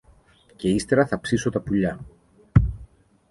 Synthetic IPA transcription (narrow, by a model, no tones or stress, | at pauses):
ce̞ist̪e̞ɾɐθɐpsiso̞t̪ɐpuʎɐ